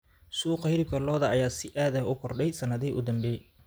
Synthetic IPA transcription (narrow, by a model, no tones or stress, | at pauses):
suːqɑhɪɾɪb̚kʰɐlɔːðɐɐjaːsɪʔaːðɐʊkʰɔrɖɛjsɐnɐðɪʔʊd̪ɐmbɛːj